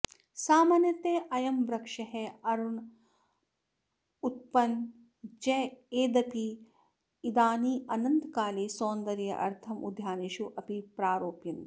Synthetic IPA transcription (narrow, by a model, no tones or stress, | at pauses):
saːmaːnjɐt̪eːʔɐjɐmʋɾɐkʂɐɦɛɐɾuɳ | ut̪̚pɐn | d͡ʒɐeːd̪ɐpiː | d̪aːniːʔɐnɐnt̪kaːleːsoːnd̪ɐɾjɐ̰ʔɐ̰ɾt̪ʰɐmud̪ʱjaːniʃuʔɐpipɾaːɾoːpjɐn